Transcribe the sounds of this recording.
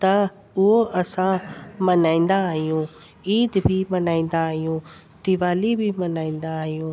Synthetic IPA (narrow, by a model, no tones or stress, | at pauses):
t̪ɐ | ʊɦoʔɐsãmɐnaːĩːn̆d̪aːɦijũ | iːd̪bʱimɐnaːĩːn̆d̪aːɦijũːt̪ɪʋaːlibʱimɐnaːĩːn̆d̪aːɦijũː